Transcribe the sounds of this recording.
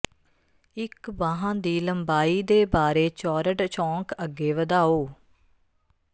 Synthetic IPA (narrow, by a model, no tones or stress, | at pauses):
ɪkbaːɦãːd̪iːləmbaːiːd̪eːbaːɾeːt͡ʃɔːɾəɖt͡ʃɔ̃ːkəɡːeːʋəd̪aːoː